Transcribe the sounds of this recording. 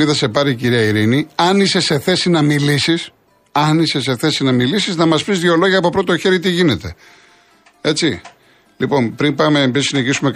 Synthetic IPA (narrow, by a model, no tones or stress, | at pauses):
iðɐse̞pɐɾiciɾiɐiɾiniɐnise̞se̞θe̞sinɐmilisis | ɐnise̞s̬e̞θe̞sinɐmilisiznɐmɐsfizðʝo̞lo̞ʝɐːpopɾo̞t̪o̞çe̞ɾit̪̬iʝine̞t̪e̞̰ | e̞t͡ssi | lipo̞npɾimpɐmeːmbisineçisume̞k